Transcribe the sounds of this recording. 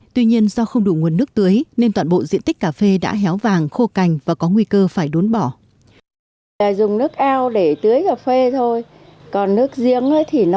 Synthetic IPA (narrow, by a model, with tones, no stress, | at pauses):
t̪wi˧ɲi˧ənzɔ˧xə˧wŋ͡mɗu˧˨˩ŋu˨˩ənːɨ˦˥ək̚t̪ɨ˨˦jne˧nt̪waː˧˨nɓo̰˧˨zḭ˧˨ənt̪ï˦˥k̟̚kaː˨˩fe˧ɗa̰ː˧˥ɦɛ˨˦wvaː˨˩ŋxo˧ka˨˩jŋ̟vaː˨˩kɔ˨˦ŋwi˧kəː˧faː˧˩jɗo˨˦nɓɔ˧˩ | aː˨˩zʊ˨˩ŋ͡mnɨ˦˥ək̚ʔaː˧wɗe˧˩t̪ɨ˨˦əjkaː˨˩fe˧t̪ʰo˧j | kɔ˨˩nnɨ˦˥ək̚zi˧əŋə˨˦jt̪ʰi˨˩n˦